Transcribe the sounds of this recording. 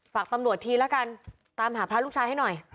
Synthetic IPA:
faː˨˩k̚t̪a˧mɾu˨˩ət̪ʰːiː˧lɛ˦˥ka˧n | t̪aː˧mɦaː˩˦pʰɾa˦˥lu˥˩t͡ɕʰaː˧jha˥˩jnɔ˨˩j

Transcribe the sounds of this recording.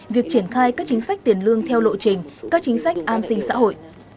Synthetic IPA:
vi˨˩ək̚t͡ɕi˧˩ənxaː˧jkaː˦˥k̚t͡ɕï˨˦ŋ̟sa˦˥k̟̚t̪i˧˨˩ənlɨ˧əŋt̪ʰɛ˧wlo̰˧˨t͡ɕï˨˩ŋ̟kaː˦˥k̚t͡ɕï˨˦ŋ̟sa˦˥jk̟̚ʔaː˧nsï˧ŋ̟sa̰ː˧˥ɦo̰˧˨jʔ

